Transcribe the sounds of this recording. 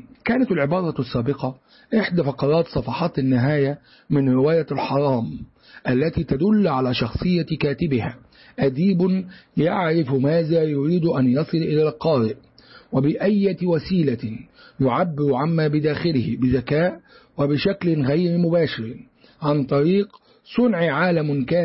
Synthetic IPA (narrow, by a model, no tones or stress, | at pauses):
kaːnat̪alʕɪbɑːɾˤɑsˤːaːbɪqɑ | ʔɪħd̪aːfɑqɑɾˤɑːt̪sˤɑfɑħɑːt̪anːɪɦaːja | mɪnɾɪwaːjalħɑɾˤɑːm | ʔalːat̪iːt̪ad̪ʊlːʕalaːʃɑxsˤɨjːakaːt̪ɪbɪhaː | ʔad̪iːbʊjaʕɾɪfmaːðaːjʊɾiːd̪ʊʔanjɑsˤɨlʔɪlaːlqɑːɾɪʔ | wabɪʔajːawasiːlajʊʕabːɪɾʕamːaːbɪd̪aːxɪlɪhɪbɪzakaːʔwabɪʃaklɪɣajɾmʊbaːʃɪɾ | ʕant̪ˤɑɾiːq | sˤʊnʕʕaːlamɪnkaː